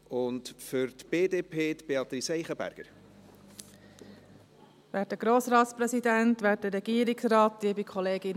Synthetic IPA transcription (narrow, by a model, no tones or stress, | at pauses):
ʊntfʏɾt̪b̥eːdeːpʰeːt̪b̥eɑt̪ɾisɛɪχəbæ̰ɾɡ̥əɾ | væːt̚dəɡ̥ɾoːsɾɑːtspɾɛsidæntʋæːt̚dəɾɛɡ̥iːəɾɪksrɑːtd̥iəbikʰɔleːɡɪn